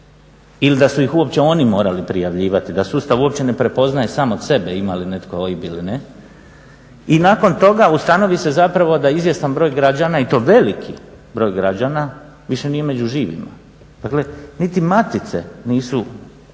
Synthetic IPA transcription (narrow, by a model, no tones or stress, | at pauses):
ilid̪asuixuo̞p̚t͡ɕe̞o̞ːnimo̞ːɾalipɾijaʋʎiːʋat̪id̪asust̪aʋuo̞p̚t͡ɕe̞ne̞pɾe̞po̞znajesaːmod̪se̞beimaline̞t̪ko̞ojibiline | inaːko̞nt̪o̞ɡaust̪ano̞ʋise̞zapɾaʋo̞d̪aizʋje̞st̪anbɾo̞ːjɡɾad͡ʑanait̪o̞ːʋe̞likʰi | bɾo̞ːjɡɾad͡ʑana | ʋiʃe̞nije̞me̞d͡ʑuʒiːʋḭma̰ | d̥̪akle̞nit̪imat̪it̪se̞̰niːsu